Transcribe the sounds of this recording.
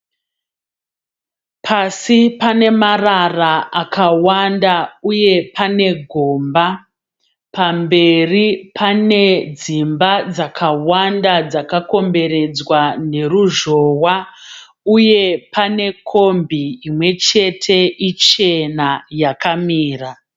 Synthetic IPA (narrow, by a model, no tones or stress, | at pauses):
pʰasipane̞mararaakʰawandauje̞pane̞ɡʱoːmba | pambe̞ripʰane̞d͡zimbad͡zakʰawandad͡zakako̞mbe̞ɾe̞d͡zwane̞ruʒo̞wa | uje̞pane̞kʰo̞mbiimwe̞t͡ʃe̞tʰe̞ʔit͡ʃe̞najakamiːra